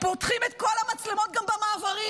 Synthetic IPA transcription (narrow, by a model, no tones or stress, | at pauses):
pot̪χimet̪kolamat͡slemo̞t̪̚ɡambamaːvaʁi